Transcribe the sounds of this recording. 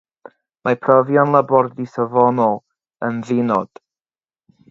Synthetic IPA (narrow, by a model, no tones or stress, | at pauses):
mapʰrɔvjɔnlˠəbɔrdisəvɔnɔlˠ | ənðɪnɔd̥